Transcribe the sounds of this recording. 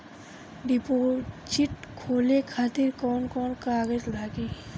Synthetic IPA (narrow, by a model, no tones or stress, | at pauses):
ɖipot͡ʃiʈkʰoːlekʰaːt̪ɪɾkɔːnkɔːnkaːɡəd͡ʒlaːɡi